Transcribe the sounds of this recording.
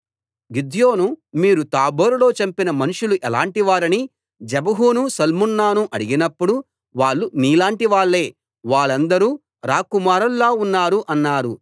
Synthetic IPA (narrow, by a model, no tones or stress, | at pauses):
ɡid̪jo̞ːnumiːɾut̪aːboːɾulo̞ːt͡ʃɐmpinɐmɐnuʂuluʔɛlaːɳʈiʋaːɾɐni | d͡ʒɛbɐɦuːnusɐlmunːaːnuʔɐɽiɡinɐpːuɽu | ʋaːɭːuniːlaːɳʈiʋaːɭːe̞ː | ʋaːɭɐnd̪ɐɾuː | ɾaːkumaːɾɐlːaːunːaːɾuʔɐnːaːɾu